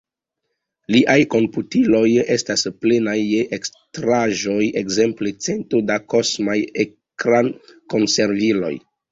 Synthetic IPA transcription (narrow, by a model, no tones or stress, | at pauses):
liʔajko̞mputilo̞je̞stasple̞najekstɾaʒo̞je̞kze̞mple̞t͡se̞ntodako̞smaje | kɾanko̞nse̞ɾvilo̞̰j